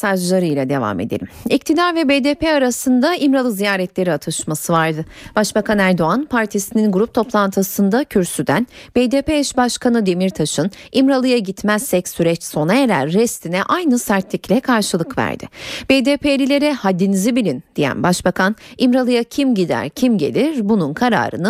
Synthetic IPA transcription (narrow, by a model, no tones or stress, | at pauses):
saʒlˠaɾɯjlˠad̪e̞va̰ːme̞̰d̪elʲḭmic̚t̪ʰid̪aɾvɛbed̪eːpʰeaɾasɯnd̪aʔimɾalˠɯzijaːɾɛt̪lʲe̞ɾiat̪ʰɯʃmasɯvaɾd̪ɯb̥aʃbakʰanæɾd̪o̞anpʰaɾt̪ʰisininɡuɾup̚t̪ʰo̞plˠant̪ʰɯsɯnd̪acʰyɾsyd̪ænb̥ed̪eːpeɛʃbaʃkʰanɯd̪emiɾt̪ʰaʃɯnimɾalˠɯjaɟit̪mɛzsɛcsyɾɛt͡ʃso̞naeɾæ̰ɾːɛst̪ʰinɛʔajnɯsæɾt̪lʲiclʲɛkʰaɾʃɯlˠɯkvæ̰ɾd̪ɪ̰beːd̪eːpʰelʲilʲe̞ɾɛhad̪ːinizibilʲind̪̥ijæ̰nbaʃbakʰanimɾalˠɯjacʰimɟid̪æ̰ɾcʰimɟe̞̰lʲiɾbununkʰaɾa̰ːɾɯ̰nɯ